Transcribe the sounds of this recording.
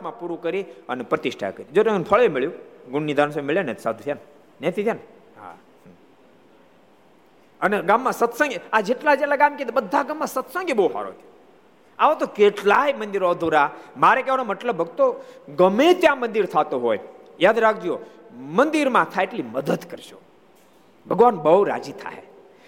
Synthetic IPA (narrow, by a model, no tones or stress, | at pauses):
kʰmãpuɾukəɾiənepɾət̪ɪʃʈʰa̰kəɾid͡ʒoʈenpʰəɭemeɭjũɡʊɳːid̪ʱañsəbmeɭjanḛt̪sa̰d̪ʱut̪ʰjan | net̪ʰit̪ʰjaːn | ɦa̰ | əneɡamːãsət̪sə̃ŋɡad͡ʒeʈlad͡ʒeʈlaɡamket̪ebəd̪ʱːaɡamːãsət̪sə̃ŋɡeboɦa̰ɾo̰t̪ʰe̥ | aʋot̪okeʈlajmənd̪iɾɔːd̪ʱoɾamaɾekeʋanoməʈləbːəkt̪oɡəmet̪jãmənd̪iɾt̪ʰat̪oɦoj | jaːd̪ɾakʰd͡ʒio | mənd̪iɾmãt̪ʰaeʈliməd̪əd̪kəɾʃo̰ | bʱəɡʋanbəuɾa̰d͡ʒit̪ʰa̰j